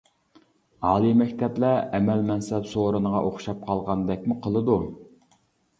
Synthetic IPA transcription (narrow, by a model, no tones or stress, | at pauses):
ɑːlˠimɛkʲt̪ʰɛplɛɛmɛlmɛnsɛpsoɾɨnəʁɑʔoχʃɑp̚qʰɑlˠʁɑnd̪ɛk̚ʲmuqʰəlˠɨd̪u